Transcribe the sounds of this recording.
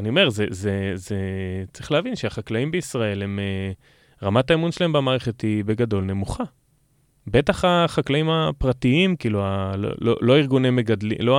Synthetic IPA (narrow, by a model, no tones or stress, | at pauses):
anio̞me̞ʁzezezet͡sʁiχleavinʃeaχaklaimbeisʁae̞lhe̞me | ʁamataemunʃelaembamaːʁeχe̞thibe̞ɡado̞lne̞muχa | be̞taχaχaklaimapʁatiimkiːlualo̰lo̰lo̞iʁɡunemeɡadlḭlo